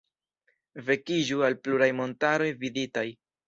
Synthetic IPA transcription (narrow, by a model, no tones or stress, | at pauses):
ve̞kid͡ʒualpluɾajmo̞ntaɾo̞jviditaj